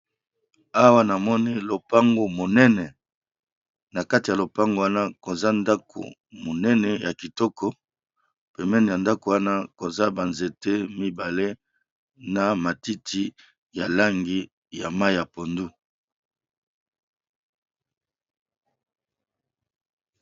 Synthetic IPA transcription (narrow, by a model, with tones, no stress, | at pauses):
a˦wa˦na˨mɔ˦ni˦lo˨pa˦ŋɡo˨mo˨nɛ˦nɛ˨ | na˨ka˦ti˨ja˨lo˨pa˦ŋɡo˨˦wa˦na˦ko˨za˦nda˦kʰo̰˨ | mo˨nɛ˦nɛ˨ja˨ki˨tɔ˦kʰɔ˦ | pɛ˨mɛ˦ni˨ja˨nda˦ko˨wa˦na˦ko˨za˦ba˨nze˨te˦mi˦ba˨le˦ | na˨ma˨ti˦tʰi˦ | ja˨la˦ŋɡi˦ | ja˨ma˦i˨ja˨po˨ndu˦